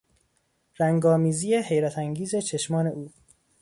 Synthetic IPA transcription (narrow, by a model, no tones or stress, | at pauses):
ɾæŋɡɒːmiːzijeɦe̞jɾæt̪ʰæŋɡiːze̞t͡ʃʰe̞ʃmɒːne̞ʔuː